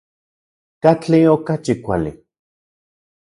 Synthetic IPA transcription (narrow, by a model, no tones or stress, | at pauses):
kat͡ɬiokat͡ʃikʷa̰lḭ